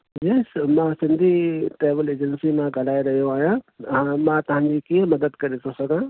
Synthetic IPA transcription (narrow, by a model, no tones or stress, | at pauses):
d͡ʑiːsmãsɪ̃nd̪ʱiʈeːʋɪleːd͡ʑə̃nsimãɡʱɐl̤aːeɾɐɦijoaːɦijããmãt̪ɐɦãɲd͡ʑikiːəmɐd̪əd̪kɐɾet̪ʰosɐɡʱãː